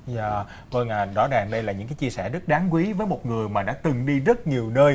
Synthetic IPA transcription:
zaː˧˩ | və˧ŋʔaː˨˩ɗɔ˨˦ɗaː˨˩ŋɗə˧jlaː˨˩ɲɨ̰˧˥ŋkaː˨˦jt͡ɕi˧əsɛ̰˧˩zə˦˥t̚ɗaː˨˦ŋkwi˨˦vəː˨˦jmo˨˩t̚ŋɨ˨˩əjmaː˨˩ɗa̰ː˧˥t̪ɨ˨˩ŋɗi˧zə˦˥t̚ɲi˨˩əwnəː˧j

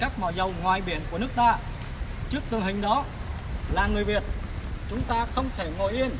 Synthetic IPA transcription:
kaː˦˥k̚mɔ̰˧˩zə˨˩wŋwaː˨˩jɓi˧˩ənku˧˩ənɨ˦˥ək̚t̪aː˧ | t͡ɕɨ˦˥k̚t̪ɨ˨ŋɦhï˨˩ŋ̟ɗɔ˨˦ | laː˨˩ŋɨ˨˩əjvi˨˩ət̚t͡ɕʊ˨˦ŋ͡mt̪aː˧xə˧wŋ͡mt̪ʰe˧˩ŋo̰˧˨jʔi˧ən

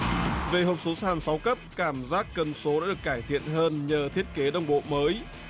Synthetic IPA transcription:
ve˨˩ɦo˨˩p̚so˨˦saː˧˩nsa˨˦wkə˦˥p̚kaː˧˩mzaː˦˥kːə˨˩nso˨˦ɗaː˧˥ɗɨ˨˩əkːaː˧˩jt̪ʰḭ˧˨ənɦəː˧nɲəː˨˩t̪ʰi˦˥ət̚ke˨˦ɗə˧wŋ͡mɓo̰˧˨məː˨˦j

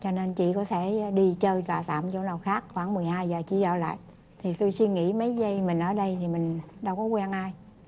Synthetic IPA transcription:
t͡ɕɔ˧ne˧nt͡ɕḭ˧˨kɔ˨˦t̪ʰe˧˩ɗi˧t͡ɕəː˧jt̪waː˨˩t̪a̰ː˧˨mt͡ɕo˧˩˦na˨˩wxaː˦˥k̚xwaː˧˩ŋmɨ˨˩əjhaː˧jzəː˨˩t͡ɕḭ˧˨zə̰ː˧˨la̰ː˧˨jʔ | t̪ʰi˨˩t̪o˧jsi˧nŋḭ˧˥mə˨˦jzə˧jmï˨˩ŋ̟ʔəː˧˩ɗə˧jt̪ʰi˨˩mï˨˩ŋ̟ɗa˧wkɔ˨˦kwɛ˧nʔaː˧j

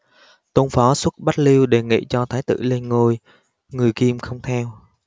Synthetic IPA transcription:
t̪o˧nfɔ˨˦swə˦˥t̚ɓa˦˥t̚li˧wɗe˨˩ŋḭ˧˨t͡ɕɔ˧t̪ʰaː˨˦jt̪ɨ̰˧˨le˧nŋo˧j | ŋɨ˨˩əjki˧mxə˧wŋ͡mt̪ʰɛ˧w

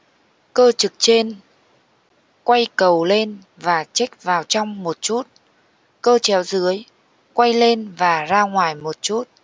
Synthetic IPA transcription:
kəː˧t͡ɕɨ˨˩k̚t͡ɕe˧n | kwa˧jkə˨˩wle˧n | vaː˨˩t͡ɕa˦˥k̚vaː˨˩wt͡ɕɔ˧wŋ͡mmo˨˩t̚t͡ɕu˦˥t̚ | kəː˧t͡ɕɛ˨˦wzɨ˨˦əj | kwa˧jle˧nvaː˨˩zaː˧ŋwaː˨˩jmo˨˩t̚t͡ɕu˦˥t̚

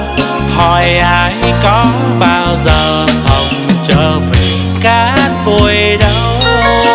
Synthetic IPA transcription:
hɔ˧˩jʔaː˧jkɔ˨˧˦ɓaː˧wzəː˨˩hə˨˩wŋ͡mt͡ɕəː˧˩vi˨˩ | kaː˧˦n̚ɓu˧˩jjɗə˧˦w

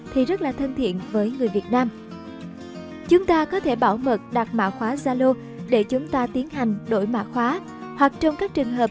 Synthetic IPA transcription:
t̪ʰi˨˩zə˦˥t̚laː˨˩t̪ʰə˧nt̪ʰḭ˧˨ənvəː˨˦jŋɨ˨˩əjvi˨˩ət̚naː˧m | t͡ɕʊ˨˦ŋ͡mt̪aː˧kɔ˨˦t̪ʰe˧˩ɓaː˧˩wmə˨˩t̚ɗa˨˩k̚ma̰ː˧˨xwaː˨˦zaː˧lo˧ | ɗe˧˩t͡ɕʊ˨˦ŋ͡mt̪aː˧t̪i˨˦ənɦa˨˩jŋ̟ɗo̰˧˩jma̰ː˧˥xwaː˨˦ | hwa˨˩k̚t͡ɕɔ˧wŋ͡mkaː˦˥k̚t͡ɕɨ˨˩əŋɦəː˨˩p̚

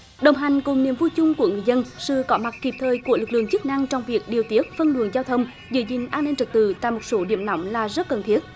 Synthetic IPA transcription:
ɗə˨˩wŋ͡mɦa˨˩jŋ̟kʊ˨˩ŋ͡mni˨˩əmvu˧jt͡ɕʊ˧ŋ͡mku˧˩əŋɨ˨əjzə˧nsɨ̰˧˨kɔ˨˦ma˨˩t̚ki˨˩p̚t̪ʰəː˨˩jku˧˩əlɨ˨˩k̚lɨ̰˧˨əŋt͡ɕɨ˦˥k̚na˧ŋt͡ɕɔ˧wŋ͡mvi˨˩ək̚ɗi˨˩əwt̪i˦˥ət̚fə˧nlṵ˧˩ənzaː˧wt̪ʰə˧wŋ͡m | zɨ̰˧˦zï˨˩ŋ̟ʔaː˧nːi˧nt͡ɕɨ˨˩k̚t̪ɨ˧˨t̪a̰ː˧˨jmo˨˩t̚so˨˦ɗḭ˧˩˨əmna˨˦wŋ͡mlaː˨˩zə˦˥t̚kə˨˩nt̪ʰi˦˥ət̚

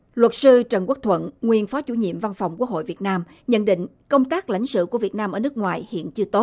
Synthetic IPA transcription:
lwə˨˩t̚sɨ˧t͡ɕə˨˩nkwu˦˥k̚t̪ʰwə̰˧˨nŋwi˨˩ənfɔ˨˦t͡ɕu˧˩ɲḭ˧˨əmva˧nfwŋ͡mku˦˥ək̚ho̰˧˨jvi˨˩ət̚naː˧m | ɲə̰˧˨nɗḭ̈˧˨ŋ̟ | kə˧wŋ͡mt̪aː˦˥k̚la̰˧˩jŋ̟sɨ̰˧˨ku˧˩əvi˨˩ət̚naː˧mʔəː˧˩nɨ˦˥ək̚ŋwaː˨˩jhḭ˧˨ənt͡ɕɨ˧ət̪o˦˥t̚

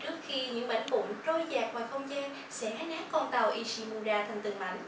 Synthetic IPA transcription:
t͡ɕɨ˦˥ək̚xi˧ɲɨ̰˧˥ŋɓə̰˧˩ŋ̟vʊ̰˧˨ŋ͡mt͡ɕo˧jzaː˨˩k̚vaː˨˩xə˧wŋ͡mzaː˧n | sɛ̰˧˥haː˨˦˥j̚naː˨˦˥kkɔ˧nt̪a˨˩wʔi˧si˧mu˧zaː˧t̪ʰa˨˩jŋ̟t̪ɨ˨˩əŋma̰˧˩jŋ̟

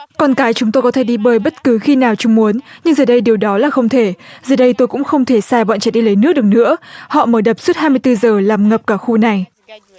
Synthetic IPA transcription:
kɔ˧nkaː˨˦jt͡ɕʊ˨˦ŋ͡mt̪o˧jkɔ˨˦t̪ʰe˧˩ɗi˧ɓəː˨˩jɓə˦˥t̚kɨ˨˦xi˧naː˨˩wt͡ɕʊ˨˦ŋ͡mmu˨˦ənɲɨ˧ŋzəː˨˩ɗə˧jɗi˨˩əwɗɔ˨˦laː˨˩xə˧wŋ͡mt̪ʰe˧˩zəː˨˩ɗə˧jt̪o˧jkʊ̰˧˥ŋ͡mxə˧wŋ͡mt̪ʰe˧˩saː˧ɓɔ̰˧˨nt͡ɕɛː˧˩ɗi˧lə˨˦jnɨ˦˥k̚ɗək̚nɨ̰˧˥əhɔ̰˧˨məː˧˩ɗə˨˩p̚su˦˥t̚haː˧jmɨ˧əjt̪ɨ˧zəː˨˩laː˨˩mŋə˨˩p̚kaː˧˩xu˧na˨˩j

